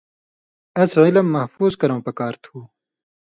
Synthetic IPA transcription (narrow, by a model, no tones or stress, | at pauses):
ɐzʁilɐmːɐhfuːzkɐɾɐ̃ːpɐkaːɾt̪ʰuː